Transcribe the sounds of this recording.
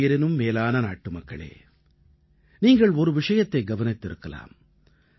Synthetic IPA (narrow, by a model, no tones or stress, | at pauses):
jɐɾɪnɯmːeːlaːnɐna̰ːʈːɯmɐkːɐɭḛː | niːŋɡɐɭɔɾɯʋɪʂɐjɐt̪ːɐɪɡɐʋɐnɪt̪ːɪɾɯkːɐla̰ːm